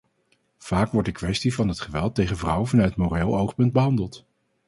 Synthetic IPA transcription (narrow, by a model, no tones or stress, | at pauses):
v̥aːkʋɔɹdəkʋɛstivɑnɦətχəʋɛlˠtejχənvrʌwvɑnœɥtmoreːlˠowχpɵnd̚bəɦɑndəlˠt